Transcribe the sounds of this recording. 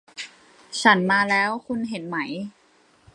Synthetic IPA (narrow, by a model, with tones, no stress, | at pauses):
t͡ɕʰa˦˥nmaː˧lɛː˦˥wkʰu˧nɦe˩˦nma˦˥j